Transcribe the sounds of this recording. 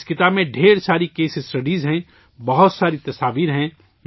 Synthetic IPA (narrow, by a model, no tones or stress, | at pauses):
skɪt̪abmẽɖʱeːɾsaːɾikeːsɪsʈəɖizɦɛ̃ | bɐɦʊt̪saːɾit̪ɐsaːʋiːɾɦɛ̃